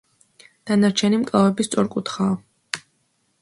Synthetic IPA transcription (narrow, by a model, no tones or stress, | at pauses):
d̪̥anaɾt͡ʃʰɛnimkʼlˠavɛbist̪sʼɔɾkʼut̪χaː